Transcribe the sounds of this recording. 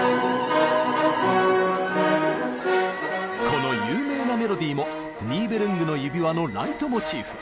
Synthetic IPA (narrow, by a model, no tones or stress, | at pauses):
ko̞no̞jɯːme̞ːname̞ɾo̞d̪ʲiːmo̞ | mʲiːbe̞ɾɯ̟̃ŋɡɯ̟no̞jɯ̟bʲiβano̞ɾait̪o̞mot͡ɕiːɸɯ̟